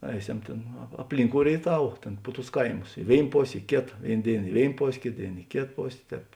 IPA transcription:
ˈɛɪˌsʲɛm ˈtʲeːn ɐ ɐpʲˈlʲɪŋˌkoːʊ rʲeːɪˈtɐw ˈtʲeːn pʊ tʊs ˈkɐɪmʊs ɪ ˈʋʲeːɪn ˈpoːsʲ ɪ ˈkʲeːtɐ ˈʋʲeːɪn ˈdʲeːɪn ɪ ˈʋʲeːɪn ˈpoːsʲ ˈkʲeːt ˈdʲeːɪn ɪ ˈkʲeːt ˈpoːsʲ ˈtʲɛːp

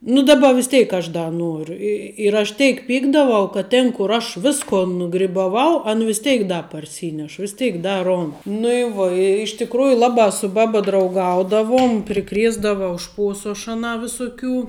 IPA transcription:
nʊ ˈdɑːˌbɐ ʋʲɪs ˈtʲeːɪk ɐʃ ˈdɐ ˈnuɔrʊ ɪ ɪr ɐʃ ˈtʲeːɪk ˈpʲiːɡdɐʋɐʊ kɐt ˈtʲeːn kʊr ˈɐʃ ˈʋʲɪskoː nʊɡrʲɪbɐˈʋɐʊ ɐn ʋʲɪs ˈtʲɛɪk ˈdɐ pɐrʲˈsʲiːnʲɛʃ ʋʲɪs ˈtʲeːɪk ˈdɐ ˈroːnt nʊ ɪ ˈʋuɔ ɪ ɪʃ tʲɪkˈruːjʊ ˈlˠɑːbɑː sʊ ˈbɑːbɐ drɐʊˈɡɐʊdɐʋuɔm pʲrʲɪˈkrʲiɛzdɐʋɐʊ ˈʃpuɔsʊ ɐʃ ɐˈnɑː ʋʲɪsʊˈkʲuː

